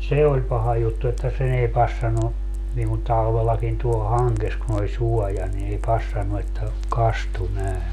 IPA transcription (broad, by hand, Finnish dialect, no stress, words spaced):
se olʲ pɑhɑ jutːu etːæ sen ei pɑsːɑnu niːŋ ku tɑlʋelːɑkin tuol hɑŋkes kun olʲ suɔjɑ ni ei pɑsːɑnːu etːæ kɑstu næˑe